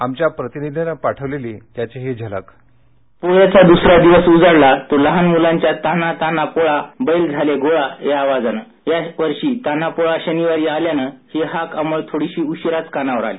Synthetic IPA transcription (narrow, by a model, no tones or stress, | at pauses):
amt͡ɕjapɾət̪inid̪ʱinəpaʈʰəʋleliːt̪jat͡ɕeɦed͡ʑʱala̰k | poɭjat͡sad̪usɾad̪iʋəsud͡zəɽlat̪oləɦanmulãɲt͡ɕjat̪anat̪anapoɭabəjld͡zʱaleɡoɭajaːʋad͡zana | jaʋəɾɕiːt̪anapoɭaɕəniʋaɾiːaljanəheɦakamuɭt̪ʰoɽiɕiːuɕɾat͡skanaʋəɾa̰liː